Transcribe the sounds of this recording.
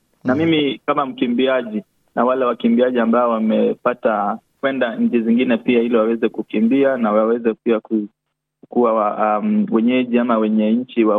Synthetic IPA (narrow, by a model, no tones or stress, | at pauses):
namimikamam̩kimbiaʄi | nawalɛwakimbiaʄiambaɔwamɛpatakwɛndaɲ̩d͡ʒiziŋɡinɛpiahiliwawɛzɛkukimbianawawɛzɛpiaku | kuwawamwɛɲɛʄiamawɛɲɛɲ̩t͡ʃiwa